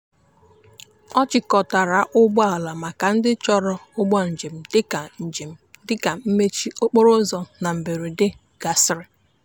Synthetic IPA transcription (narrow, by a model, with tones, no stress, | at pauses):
ɔ˦t͡ʃɪ˨kɔ˨ta˨ɾa˨ʔʊ˦ɡ͡bɔ˦a˨la˨ma˨ka˨n̩˦dɪ˦t͡ʃɔ˦ɾɔ˦ʊ˦ɡ͡bɔ˦n̩˨d͡ʒe˨m̩˨dɪ˦˨d͡ʒe˨m̩˨dɪ˦ka˨m̩˦me˦t͡ʃi˦o˦k͡po˦ɾʊ˦zɔ˦na˨m̩˨be˨ɾi˨dɪ˦ | ɡ̥a˨sɾɪ˦